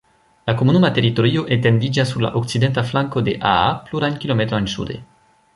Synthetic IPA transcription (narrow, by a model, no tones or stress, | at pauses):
lakomunumat̪eɾit̪oɾioʔet̪end̪id͡ʒasːuɾla̰ʔoksid̪ent̪aflaŋkod̪eʔa̰apluɾankilomet̪ɾoensṵd̪ḛ